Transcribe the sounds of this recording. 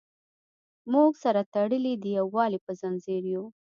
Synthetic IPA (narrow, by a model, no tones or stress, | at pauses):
muɡsaɾat̪aɽəlid̪əjawɑlipəzanzeɾju